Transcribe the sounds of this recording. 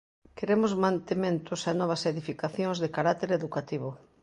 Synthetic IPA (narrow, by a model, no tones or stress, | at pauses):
keɾemʊzmãnt̪emẽnt̪ʊsanɔβ̞ɐseðifikaθjõŋzðekaɾat̪eɾeðukat̪iβ̞ʊ